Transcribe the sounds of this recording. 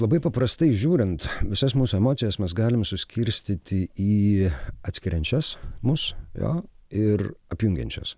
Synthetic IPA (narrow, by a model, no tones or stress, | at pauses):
lˠɐbɐɪpɐpɾɐst̪ɐɪʒʲuːɾʲɪnt̪ʋʲɪsɐsmuːsʊɛmoːt̪sʲɪjɛsmʲɛsɡɑːlʲɪmsʊsʲkʲɪɾʲsʲt̪ʲɪt̪ʲɪiːɐt̪sʲkʲɪɾʲɛnʲt͡ʃʲɛsmʊsjo̰ːɪɾɐpʲjʊŋʲɡʲɛ̰nʲt͡ʃʲɛ̰s